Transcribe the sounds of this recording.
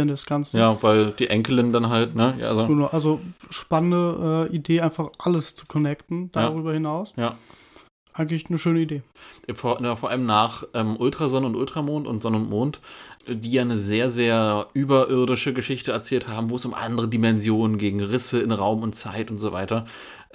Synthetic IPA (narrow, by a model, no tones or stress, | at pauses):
əndɛsɡ̥ant͡snj̩aːvaɪld̥iːʔɛŋkəlɪndanɦaltnəja̰ːʔazoɡ̥ənaʊʔalzoʃpanəndəʔɛːʔideːʔaɪnfaχʔaləst͡su̥kʰɔnɛktn̩d̥aʁyːbɐhɪnaʊsjaː | ʔaɪɡŋ̩tlɪçnəʃøːnəideːʔɛfoɐfoːɐʔa̰ləmnaːχʔɛːmʔʊltʁ̥azɔnəʊntʔʊltʁ̥amoːntʊntz̥ɔnəʊntmoːntdiːjaːnəzeːɐzeːɐʔyːbɐʔɪɐdɪʃəɡəʃɪçtəɛɐt͡sɛːlthaːbm̩voːɛsʊmʔa̰ndəʁədimɛnzjoːnənɡeːɡŋ̩ʁɪsəɪnʁaʊmʊntt͡saɪtʊntz̥oːva̰ɪtɐ